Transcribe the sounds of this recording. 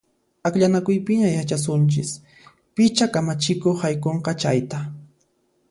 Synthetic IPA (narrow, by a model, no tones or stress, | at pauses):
akʎanakʊjpɪɲajat͡ʃas̬ʊnt͡ʃɪs | pɪt͡ʃakamat͡ʃɪkoχhajkoɴqɑt͡ʃa̰jt̪a